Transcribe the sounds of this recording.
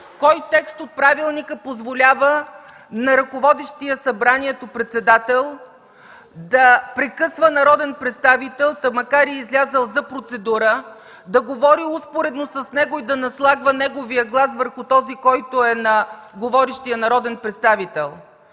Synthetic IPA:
kɔjt̪ɛkst̪ot̪̚pɾavilˠnikəpozvolʲavə | nɐɾɐkovɔd̪iʃt̪ijəsɐbɾaniɛt̪opɾɛt̪sɛd̪at̪ɛlˠ | d̪ɐpɾɛkɤsvənɐɾɔd̪ɛnpɾɛt̪st̪avit̪ɛlˠt̪əmɐkaɾiɛizlʲazəlˠzɐpɾot̪sɛd̪uɾə | d̪ɐɡovɔɾiuspoɾɛd̪nosɐsnɛɡoid̪ɐnɐslˠaɡvənɛɡovijəɡlˠasvəɾxʊt̪ɔzikɔjt̪oɛnɐɡovɔɾiʃt̪ijənɐɾɔd̪ɛnpɾɛt̪st̪avit̪ɛlˠ

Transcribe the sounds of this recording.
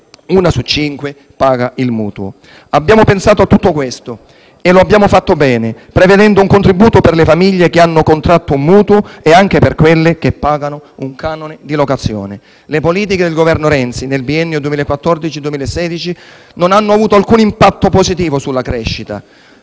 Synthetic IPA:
uːnasut͡ʃːiŋkwe | paːɡailmṵːt̪uo̰ | abːjaːmopensaːt̪oat̪ːut̪ːokwest̪o | eloabːjaːmofat̪ːobɛːnepɾeved̪ɛnd̪ouŋkont̪ɾibuːt̪operlefamiʎːek̟eanːokont̪ɾat̪ːoumːuːt̪uoeaŋk̟eperkwelːek̟epːaːɡanouŋkʰaːnoned̪ilokat̪sːjo̰ːne | lepoliːt̪̬iked̪elɡovɛrnoɾɛnt̪sinelbiɛnːjod̪uemiːlaekːwat̪ːɔrd̪it͡ʃid̪uwemiːlaesːɛːd̪it͡ʃi | nonanːoavuːt̪oalkuːnimpat̪ːopozit̪iːvosulːakɾɛʃːit̪a̰

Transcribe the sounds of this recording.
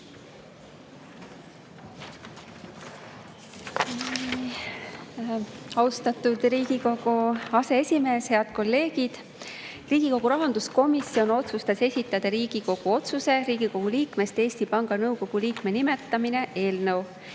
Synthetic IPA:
ɑwst̪ɑt̪ud̪̥ɾiːɡ̥iko̞ɡ̥uɑse̞esʲime̞ːshe̞ɑd̪̥̚ko̞lːe̞ːɡ̥id̪̥ | riːɡ̥iko̞ɡ̥uɾɑɦɑnd̪̥usko̞misːio̞no̞t̪sust̪ɑse̞sʲit̪ːˑɑd̪̥ɑɾiːɡ̥iko̞ɡ̥uo̞t̪suse̞ɾiːɡ̥iko̞ɡ̥uliːkme̞st̪e̞ːsʲt̪ipɑŋɡ̥ɑnɤwko̞ɡ̥uliːkme̞nimet̪ːɑmine̞ʔe̞ːlnəw

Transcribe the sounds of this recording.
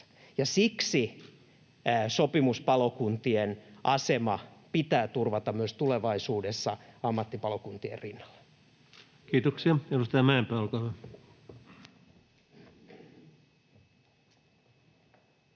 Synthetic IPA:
jɑsiksi | sopimuspɑlokunt̪ienʔɑsemɑpit̪æːt̪urʋɑt̪ɑmmyøst̪uleʋɑisuːdesːɑɑmːɑt̪ːipɑlokunt̪iḛrinːɑlːɑ̥ | kiːt̪oksiɑedust̪ɑjɑmæempæːolkɑːʋɑ

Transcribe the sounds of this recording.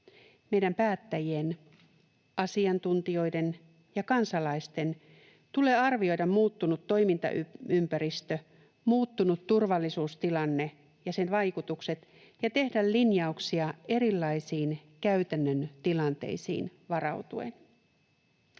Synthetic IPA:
me̞jdæmpæːt̪ːæjien | ʔɑsiɑnt̪unt̪io̞jde̞n | jɑkɑnsɑlɑist̪e̞n | t̪ule̞ːɑrʋio̞jdɑmmuːt̪ːunut̪ːo̞imint̪ɑ̰ʔyympæɾist̪ø | muːt̪ːunut̪turʋɑlːisuːst̪ilɑnːe̞ | jɑse̞nʋɑjkut̪ukse̞t̪ | jɑt̪e̞hdællinjɑuksiɑeɾilːɑisiːnkæyt̪ænːønt̪ilɑnt̪e̞̰jsḭːnʋɑrɑ̰wt̪uḛn

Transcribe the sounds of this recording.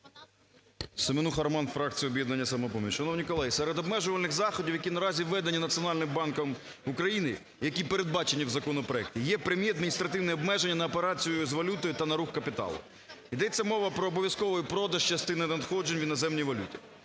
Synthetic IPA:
semenuxɐɾmɑnfɾɑk̚t͡sʲijɔbjɛd̪nɐnʲːɐsɐmɔpɔmʲit͡ʃʃɐnɔwnʲikɔlˠɛjsɛɾed̪ɔbmɛʒʊʋɐlʲnɪɣzɑxɔdʲiwjɐkinɐɾɑzʲiʋɛd̪ɐnʲinɐt͡sʲiɔnɑlʲnɪmbɑnkɐm | ukɾɐjinɪ | jɐkʲipeɾe̞d̪̚bɑt͡ʃenʲːiwzɐkɔnɔpɾɔɛk̚tʲijɛpɾemʲjiɐd̪̚mʲinʲist̪ɾɐt̪ɪwnɛɔbmɛʒenʲːɐnɐɔpe̞ɾɑt͡sʲijʊzʋɐlʲut̪ɔjʊt̪ɐnɐɾuxkɐpʲit̪ɑ̰lˠʊ̰ | id̪ɛt͡sʲːɐmɔʋɐpɾɔːbɔʋʲjɐskɔʋɔjpɾɔd̪ɐʒt͡ʃɐst̪ɪnɪnɐd̪xɔd͡ʒe̞nʲʋʲinɔzɛmnʲijʋɐlʲutʲi

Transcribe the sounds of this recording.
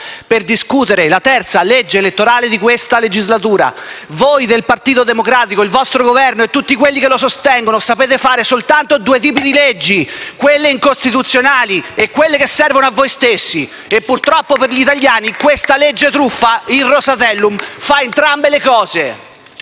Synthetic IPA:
perd̪iskuːt̪eɾelat̪ɛrt̪saled͡ʒːeːlet̪ːoɾaːled̪ikwest̪aled͡ʒizlat̪uːɾa̰ | vojd̪elpart̪iːt̪od̪emokɾaːt̪ikoilvɔst̪ɾoɡovɛrnoet̪ːut̪ːikwelːikelosost̪ɛŋɡonosapeːt̪efaːɾesolt̪ant̪od̪uːet̪̬iːpid̪iled͡ʒːikwelːeiŋkost̪it̪ut̪sːjonaːliekːwelːekesːɛrvonoavːojst̪esːi | epːurt̪ɾɔpːoperʎit̪aʎːaːnikwest̪aled͡ʒːet̪ɾufːairːosat̪ɛlːumfaent̪ɾambelekɔːze

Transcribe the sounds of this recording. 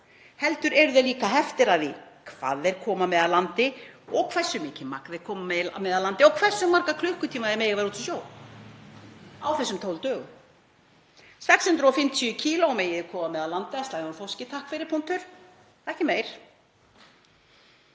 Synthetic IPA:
hɛlt̪ʏɾɛɾʏðɛliːkaɦɛft̪ɪɾaðikʰva̰ːðɛɾ̥kʰɔːmamɛðalant̪ɪɔɣkʰv̥ɛ̥sːʏmɪːcɪmakðɪɾkʰɔːmamɛmɛðalant̪ɪɔkʰvɛsːʏmːaɾkakʰlʏhkʏt̪ʰiːmaðɛmeːjɣavɛɾuːt̪ʰʏsjoːw | a̰wθɛsʏmt̪ʰowlt̪œːɣʏ̰m | sɛkshʏnt̪ɾɔfɪmt̪ʰiʏcʰiːloɔmeːjɪðɪ̥kʰɔːmamɛðalant̪ɪast̪aːjðʏnfowscɪt̪ʰahkfejɾɪpʰun̥t̪ʏɾ̥ | ɛhcɪmeːjɾ̥

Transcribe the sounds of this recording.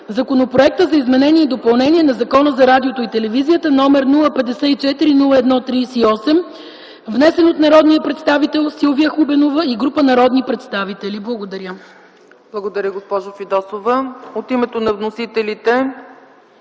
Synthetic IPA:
zɐkonopɾoɛk̚t̪əzɐizmɛnɛniɛid̪opɐlˠnɛniɛnɐzɐkɔnəzɐɾad̪iot̪oit̪ɛlɛvizijət̪ənɔmɛɾnulˠəpɛd̪ɛsɛit͡ʃɛt̪iɾinulˠəɛd̪nɔt̪ɾiːsːɔsɛm | vnɛsɛnot̪nɐɾɔd̪niəpɾɛt̪st̪avit̪ɛlˠsilˠvijəxubɛnovəiɡɾupənɐɾɔd̪nipɾɛt̪st̪avit̪ɛliblˠəɡod̪ɐɾʲə | b̥lˠɐɡod̪ɐɾjəɡospɔʒofid̪ɔsovəot̪imɛt̪onɐvnosit̪ɛlit̪ɛ

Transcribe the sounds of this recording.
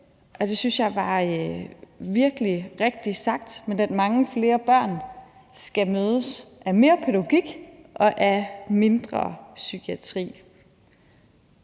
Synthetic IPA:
ʔɒ̽d̥e̝synsjɑ̈ɪʋɑ̈ | ʋiɐɡ̥əliʁeɡ̥̚d̥isɑ̈ɡ̥̚d̥menæd̥mɑ̈ŋəfle̝ːɐb̥ɶɐ̰n | sɡ̥æmøːð̞ˠəsʔæme̝ːɐpʰeðæɡo̝ɡ̥iɡ̥ʔɒ̽ʔæme̝nd̥ʁɐ̰sykʰiæt͡sʰʁḭː

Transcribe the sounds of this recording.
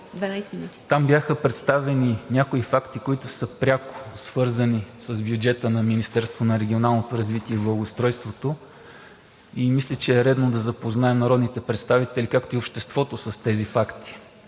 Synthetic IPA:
d̪vɛnajsminut̪i̥t̪ambʲjaxəpɾɛt̪st̪avɛninʲakoifakt̪ikoit̪ʊsəpɾʲako̥svɤɾzənisəzbjud͡ʒɛt̪ənɐminist̪ɛɾst̪vonɐɾɛɡʲionalˠnot̪oɾɐzvit̪iɛiblˠɐlˠɡost̪ɾɔjst̪vot̪o | imislʲət͡ʃɛːɾɛd̪nod̪ɐzɐpoznaɛmnɐɾɔd̪nit̪ɛpɾɛt̪st̪avit̪ɛlikakt̪oiopʃt̪ɛst̪vɔt̪osɐst̪ɛzifakt̪i̥

